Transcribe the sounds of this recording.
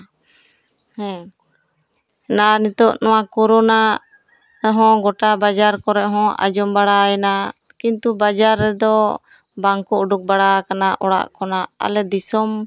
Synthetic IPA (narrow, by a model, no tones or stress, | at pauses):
hɛ̃ | nanit̪ɔʔnɔwakɔɾɔna | ɾɛɦɔ̃ɡɔʈabad͡ʒaɾkɔɾɛʔɦɔ̃a̰d͡ʒɔmbaɽaɛna | kint̪ubad͡ʒaɾːɛd̪ɔ | baŋkɔuɖuk̚baɽakanaʔɔɽa̰ʔkɔnaa̰lɛd̪isɔm